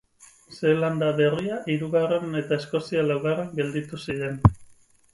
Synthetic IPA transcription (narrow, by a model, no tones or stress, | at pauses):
se̞land̪aβe̞riaʔiɾuɣare̞ne̞t̪ae̞sko̞sialawɣarekɡe̞ld̪it̪usiɾe̞n